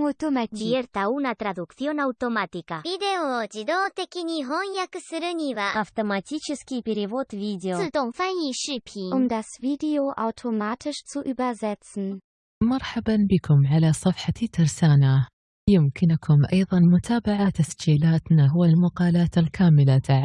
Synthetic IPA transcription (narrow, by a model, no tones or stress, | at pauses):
at̪omat̪iieɾt̪auːnat̪ɾad̪ukθjonawt̪omat̪ikavid̪eod͡ʒid̪ot̪ekiniɦɔjakəsɨɾənivaʔawt̪omat̪ʰiːt͡ʃɪskibiɾivoːt̪viːdeot̪ofaniʃipʰiʔʊmdasviːdeoʔa̰wtʰomaːtʰɪʃt͡suʔyːbɐzɛt͡sn̩ | mɑɾˤħabanbɪkʰʊmʕalasˤɑfħat̪ɑɾsaːna | jɪmkɪnʊkʰʊmʔɑjðˤɑnmʊt̪ʰaːbaʕat̪asd͡ʒiːlaːt̪naɦwalmaqɑːlaːt̪alkʰaːmɪlat̪ʰaʕa